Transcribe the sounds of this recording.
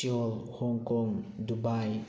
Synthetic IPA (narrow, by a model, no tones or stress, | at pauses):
iɔlhɔŋkɔŋdubaj